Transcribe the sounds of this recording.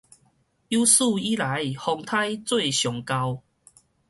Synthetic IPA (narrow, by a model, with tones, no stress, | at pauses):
ju˦su˥˧˨i˦la˨˦jhɔ˧ŋt̪ʰa˦jt͡swe˥˨ɕjɔ˨˩ŋka˧w